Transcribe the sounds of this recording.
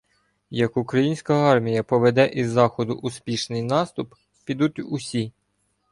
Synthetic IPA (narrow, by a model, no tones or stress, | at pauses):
jɐkʊkɾɐjinʲsʲkɐɑrmʲijɐpɔʋed̪ɛʔizːɑxɔd̪ʊʔʊspʲiʃnɪjnɑst̪ʊp | pʲid̪ut̪ʲʊsʲi